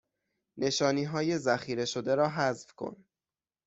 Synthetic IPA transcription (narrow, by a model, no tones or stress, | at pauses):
ne̞ʃɒːniːɦɒːje̞zæxiːɾe̞ʃod̪e̞ɾɒːɦæzfkʰo̞̰n